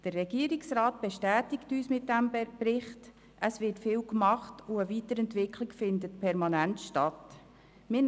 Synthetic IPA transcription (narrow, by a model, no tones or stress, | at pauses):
d̥ərːɛɡiəɾɪksɾaːt̚b̥ɛʃtæːtɪktyːsmɪt̚dæmbɾɪχt | ʔəsvɪtfɪːwkmɑχtʊəviːtəɾɛntʋɪkʰlɪkfɪndətpʰɛɾmɑnæntʃtɑt | mɪ